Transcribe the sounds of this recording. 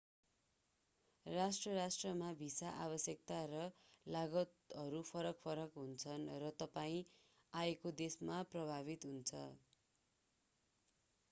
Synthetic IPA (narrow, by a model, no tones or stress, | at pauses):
rasʈrʌɾasʈrʌmabʱisaʔaβʌsjʌk̚t̪aɾʌlaɡʌt̪ʌɾupʰʌɾʌkpʰʌɾʌkɦunt͡sʰʌnrʌt̪ʌpaĩ | aekod̪esmaprʌbʱaβit̪ɦunt͡sʰʌ